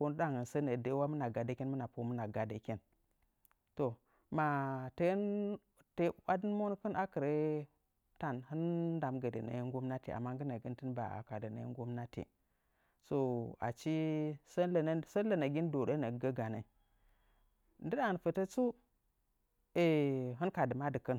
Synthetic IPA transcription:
ko˦ndɨ˦ɗa˦ŋɡə˨nsə˦nə˨de˨˦wa˦mə˦na˨ɡa˨de˦kʲi˦nmə˦na˨po˦mə˦na˨ɡa˨də˨ki˦n | to˨ | ma˨te˦n | te˨wa˦di˦nmo˦n˦kə˦nʔa˦kə˨ɾe˦ | ta˦˨nhɨ˦nːda˨mɡə˨də˨na̰˨˦ŋ˦ɡu˦mna˦tḭ˨ʔa̰˨mːa˦ŋɡə˦na˨ɡi˦ntɨ˦nba̰˨a̰˨ka˨də˨na̰˨˦ŋ˦ɡu˦mna˦tḭ˨ | so˨a̰˨t͡ʃi˦sə˦lə˨n˦sə˦lə˨na˨ɡʲi˦n˦do˨ɗe˦na˨ɡə˦ɡa˨na˨ | ndɨ˦ɗa˨fə˨tə˦t͡su˦ | e˨ɦɨ˦nka˨dɨ˨ma˦dɨ˨kə˦n

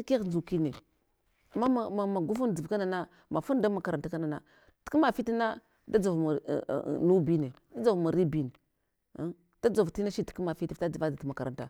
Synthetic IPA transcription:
ke˦˨n˨u˨ki˦ne˨ | a˨mːa˦a˨a˨ma˨ɡu˦fu˦nd͡zi˨vka˦na˨na˦ | ma˨fu˦nda˦ma˨ka˨ɾa˨nta˦ka˦na˨na̰˨ | ti̥˨˦ki˦ma˨fi˦ti˦na˦ | da˦d͡za˨vma̰˨nu˦bi˦ne˨da˦d͡za˨vma˨ɾi˦bi˦ne˨˦ | d̥a˦d͡zo˨vti˦na˦ʃi˦ti̥˨ki˦ma˨fi˦ti˦˨fta˦d͡za˨va˦da˨ti˦˨ma˨ka˨ɾa˨nta̰˨

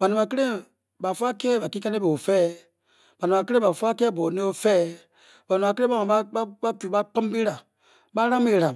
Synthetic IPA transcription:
ba˨nũ˨a˨ke˦ɾẽ˦ | ba˨fu˦a˦kɛ˦ba˨ki˦ka˦ne˦be˨o˨fɛː˦ | ba˨nũ˨a˨ke˦ɾẽ˦ba˨fu˦a˦kɛ˦bɔ˨nẽ˦o˦fɛ˦˨ | ba˨nũ˨a˨kẽ˦a˦mã˨˦ba˦ba˦ba˦tu˨ba˦k͡pa˦m˦bi˦ɾa˨ | ba˦ɾã˦m˦e˨ɾa˨

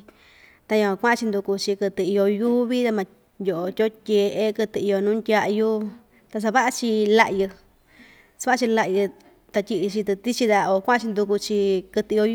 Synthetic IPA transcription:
t̪a˧jõ˧˨˧kʷã˦ã˧t͡ʃi˧nd̪u˧ku˧t͡ʃi˧kɨ˧t̪ɨ˧i˧jo˧ju˦βi˦t̪a˧mã˧ | njʲo˨ʔo˨tʲo˦tʲe˧ʔe˧kɨ˧t̪ɨ˧i˧o˧nũː˦ndʲa˧ʔju˦ | t̪a˧s̬a˧βa˦ʔa˧t͡ʃi˧la˧ʔjɨ˧ | sa˧βa˦˧t͡ʃi˧la˧jɨ˧ | t̪a˧tʲi˧ʔi˧t͡ʃi˧t̪ɨ˧t̪i˦t͡ʃi˧ða˧o˨˧kʷã˦a˦t͡ʃi˧nd̪u˧ku˧t͡ʃi˧kɨ˧t̪ɨ˧o˧

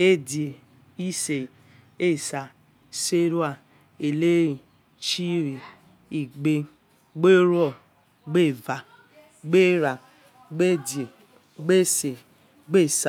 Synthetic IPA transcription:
e˦dije˨ | i˦se˨ | e˦˨sa˨ | se˦ɾu˦a˦˨ | e˨le˦ɾi˨ | t͡ʃi˦ɾi˨ | i˨ɡ͡be˦ | ɡ͡be˦ɾɔ˦˨ | ɡ͡be˦˨va˨ | ɡ͡be˦ɾa˨ | ɡ͡be˦˨dje˨ | ɡ͡be˦se˨ | ɡ͡be˦˨sa˨

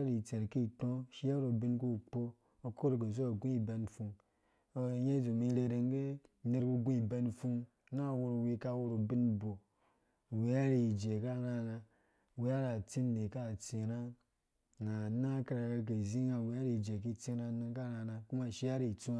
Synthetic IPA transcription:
ɾi˨t͡se˨ɾki˦˨tõ˦ʃi˦ja˦ɾo˨bi˦nku˦˨k͡po˦ | o˧ko˦ɾke˨zo˦o˨ɡũ˦i˨be˧n˨fu˧ŋ | o˧˦je˦zu˨mi˧ɾe˧ɾe˨ŋ˦ɡe˦ | ne˧ɾku˧˦ɡũ˦i˨be˧nfu˧ŋ | na˦˨wu˧ɾo˨wi˧ka˦˨wu˧ɾo˨bi˦nbo˨ | we˨ja˦ɾi˦˨d͡ʒe˨ka˦ɾa˦na˧˨ | we˨˦a˦ɾa˨t͡si˦n˦de˨ka˦˨t͡si˨ɾa˦˨ | na˨na˦ka˦ɾa˨ke˧k̬e˨zi˦ŋa˨wi˨˦a˦ɾi˨d͡ʒe˨ki˦˨t͡si˦ɾa˧˦ni˧nka˦ɾa˧na˨ku˦ma˨ʃi˦ja˦ɾi˨t͡su˦

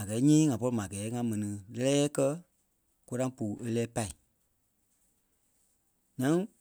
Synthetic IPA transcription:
a˨ɡɛː˨˦ɲĩː˦ŋã˨pɔ˧ɾi˧˨mã˨ɡɛː˨˦ŋã˧˦mɛ̃˨nĩ˨lɛ˦lɛː˦kɜ˦ | ko˧ɾã˦puː˨ʔe˧lɛː˦pa˦i˨ | ɲã˦ŋ

